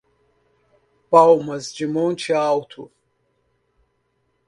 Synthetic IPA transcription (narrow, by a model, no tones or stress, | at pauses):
b̥awmɐzd͡ʒimɔnt͡ʃʰiaːwt̪ʰṵ